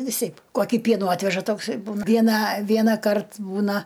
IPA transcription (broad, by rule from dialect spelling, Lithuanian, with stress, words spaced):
ʋʲɪˈsʲɛɪp ˈkoːkʲiː ˈpʲiɛnuː ˈɑːtʲʋʲɛʒɐ ˈtoːks ɪr ˈbuːnɐ ˈʋʲiɛnɑː ˈʋʲiɛnɑːˌkɐrt ˈbuːnɐ